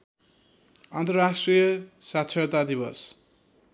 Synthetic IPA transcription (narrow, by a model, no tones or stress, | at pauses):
ant̪ʌrɾasʈrijʌsat̪ːsʰʌt̪ad̪iβʌ̰s